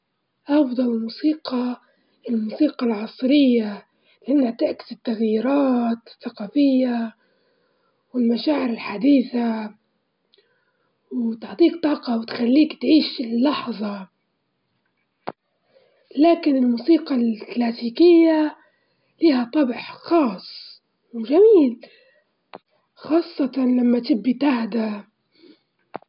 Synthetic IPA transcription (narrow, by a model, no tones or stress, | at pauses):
ʔɑfd̪ˤɑlmuːsiːqɑ | ɪlmuːsiːqɑlʕɑsˤɾɪjːa | lɪʔanːhat̪ɪʔkɪ̥zɪt̪ːaɣjiːɾɑːt̪ɪθːaqɑːfɪjːa | wɪlmaʃaːʕɪɾɪlħad̪iːθa | wt̪ɪʕt̪ˤiːkt̪ˤɑːqɑwt̪xalːiːkt̪ʕiːʃlːɑħðˤɑ | laːkɪnɪlmuːsiːqɑlklaːsiːkɪjːa | liːhat̪ˤːɑbħxɑːsˤ | wʒamiːl | xɑːsˤːɑt̪ɑlamːat̪ɪbːit̪ahd̪a